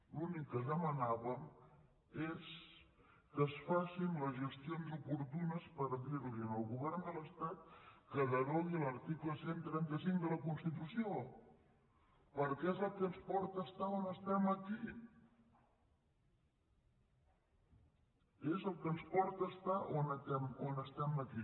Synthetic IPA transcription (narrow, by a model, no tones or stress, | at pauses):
lunikːəðəmənaβəm | es | kəːsfasinləzʒəst̪ionzupuɾt̪unəspəɾðiɾliənəlˠɣuβɛɾnd̪ələst̪at̪kəðəɣɔɣiələɾt̪ikləsent̪ɾɛnt̪əsiŋd̪ələkunst̪it̪usio | pəɾkɛezəlˠkənspɔɾt̪əːst̪aonəst̪ɛməki | ezəlˠkənspɔɾt̪əːst̪aʔonət̪ɛmonəst̪ɛməki